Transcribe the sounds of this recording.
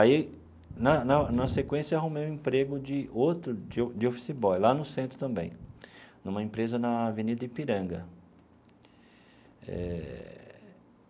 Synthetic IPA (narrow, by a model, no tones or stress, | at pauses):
ai | nɐnɐnɐsekwẽsjɐaɦũmeũĩpɾeɡʊd͡ʒɪowt̪ɾʊd͡ʒɪd͡ʒɪofi̥sibɔjlanʊsẽnt̪ɾʊt̪ɐ̃mbḛ̃j̃nũmɐẽpɾezɐnɐavenid̪ɐɪpiɾɐ̃ɡɐ | ɛ̰